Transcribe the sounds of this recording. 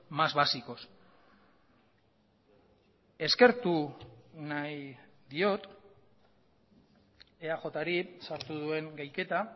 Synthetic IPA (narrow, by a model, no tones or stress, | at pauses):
mazβasiko̞s | e̞ske̞ɾt̪unaj | ðio̞t̪ | e̞aʝo̞t̪aɾisaɾt̪uð̞ue̞ŋɡajke̞t̪a